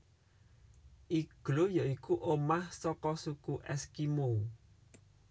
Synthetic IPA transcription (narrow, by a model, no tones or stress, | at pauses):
ʔiɡ̥lojɔikuʔomahsɔkɔsukuʔɛskimo